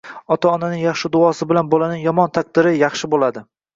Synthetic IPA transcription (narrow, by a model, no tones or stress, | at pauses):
ɒt̪ʰaɒnanɪŋjɑχʃɪd̪ʊɒsɪbɪlanbɒlanɪŋjɒmɒnt̪ʰaq̚d̪ɪɾɪjɑχʃɪbolad̪ɪ